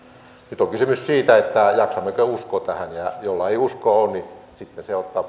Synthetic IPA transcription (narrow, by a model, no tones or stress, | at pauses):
nyt̪oŋkysymyssiːt̪æet̪ːæjɑksɑmːekøuskot̪æhænjɑjolːɑeˑiuskooːnnisit̪neseot̪ːɑ